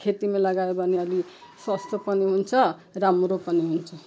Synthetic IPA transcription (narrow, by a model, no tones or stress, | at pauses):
kʰet̪imalʌɡajobʱʌneʌli | swʌst̪ʰopʌniɦunt͡sʰʌramɾopʌniɦunt͡sʰʌ